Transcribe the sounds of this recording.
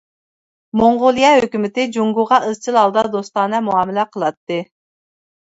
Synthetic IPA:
moɴʁolˠijɛhøkʲymɪt̪ɪd͡ʒuŋɡuʁɑʔɨz̥t͡ʃʰilˠɑlˠd̪ɑd̪ost̪ɑnɛmuɑːmɪlɛqʰəlˠɑt̪ːɨ

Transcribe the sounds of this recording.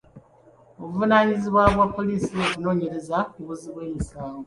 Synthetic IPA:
oβuvunaɲiziβwaβwapːo̞liːsiokuno̞ːɲe̞ɾe̞zakiβuziβwe̞ːmisaːŋɡo

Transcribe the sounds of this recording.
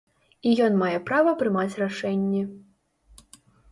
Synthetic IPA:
ijɔnmajɛpɾavɐpɾɨmat͡sʲraʂɛnʲːɛ

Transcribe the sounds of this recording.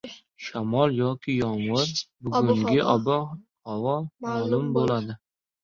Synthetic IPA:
ʃamɒlˠjɒkʲʰɪjɒmwɨɾbʊɡʊŋɡʲɪʔabɒ | avɒlˠmalʊmbolad̪ɪ

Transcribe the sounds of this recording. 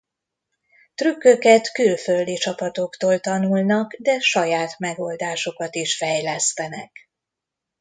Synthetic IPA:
t̪rykːøkɛt̪kylføld̪it͡ʃɒpɒt̪o̞kt̪oːlt̪ɒnulnɒkd̪ɛʃɒjaːt̪mɛɡo̞ld̪aːʃo̞kɒt̪iʃfɛjlɛst̪ɛnɛk

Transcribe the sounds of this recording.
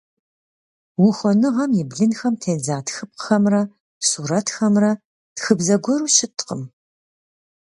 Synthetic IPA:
wʊxʷɔnɨʁɐmjɪbɮɨnxɐmtʰeːnzaːtxɨp̚qxɐmrɐ | suːɾɐtxɐmrɐ | txɨbzɐɡʷɔɾuːɕɪtʰqə̰m

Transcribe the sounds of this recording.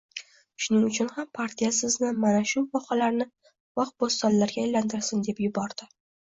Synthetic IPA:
ʃʊnɪŋʊt͡ʃʰʊnhampʰaɾt̪ʰijasɪznɪmanaʃʊvɒqɑlaɾnɪ | vɑq̚bost̪ɒnlaɾɡʲaːjlant̪ʰɪɾsɪnd̪e̞pjʊbɒɾd̪̥ɪ

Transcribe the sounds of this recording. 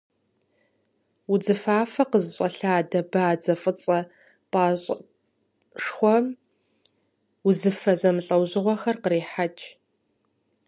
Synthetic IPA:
ʊd͡zɨfaːfɐqəzɨɕʼɐɬaːdɐbaːd͡zɐfʼɨt͡sʼɐ | pʼaːɕʼ | ʂxʷɔ | uzɨfɐzɐmɨɬʼɐwʑɨʁʷɔxɐrqəɾiːħat͡ʃʼ

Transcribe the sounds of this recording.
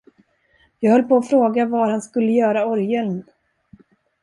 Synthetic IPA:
jɑːɡhœlːpɔːfɾoːɡavaɾhanskɵlːəjœːɾaɔɾjɛlm

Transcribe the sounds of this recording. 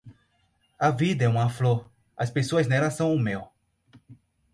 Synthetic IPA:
ɐvid̪ɐɛũmɐfloɾ | ɐspesoɐznɛlɐsɐ̃w̃umew

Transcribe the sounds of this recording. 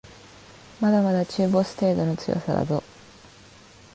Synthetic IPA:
mad̪amad̪at͡ɕɨːbo̞sɨ̥t̪e̞ːd̪o̞no̞t͡sɨjo̞̰saɾa̰zo̞

